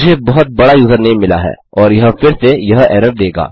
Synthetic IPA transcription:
d͡ʒʱebɐɦʊt̪̚bɐɽajuːzəɾnɐɦĩmɪla̰ɦɛ̰ː | ɔːɾjɐɦfɪɾsejɐɦɛːɾəɾ̚d̪eːɡa̰ː

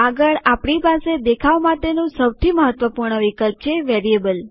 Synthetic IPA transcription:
aɡəɭapɽ̃ipased̪ekʰaʋmaʈenũsəwt̪ʰiməɦət̪ʋəpuɾɳəʋikəlp̚t͡ʃʰeʋeɾiebəl

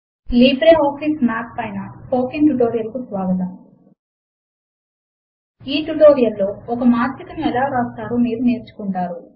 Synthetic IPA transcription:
liːbɾeːoːksismaːk̚pɐjnɐpoːkiŋʈuʈoːɾijɐlɐkusʋaːɡɐt̪ɐm | iːʈuʈoːɾijɐlːo̞ːɔkɐmaːɾit̪ɐmɛlaːɾaːst̪aːɾoːmiːɾuneːɾt͡ʃu̥kuɳʈaːɾu

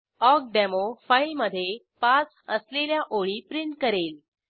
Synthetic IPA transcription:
ɔk̚ɖemofajlməd̪ʱːje | pat͡s | əsleljaʔoɭiːpɾiɳʈkəɾel

